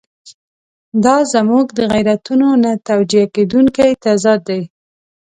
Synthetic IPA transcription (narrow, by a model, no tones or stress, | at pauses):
d̪ɑzamuɡd̪əɣajɾat̪unonat̪awd͡ʒijaked̪uŋkajt̪azɑd̪ːaj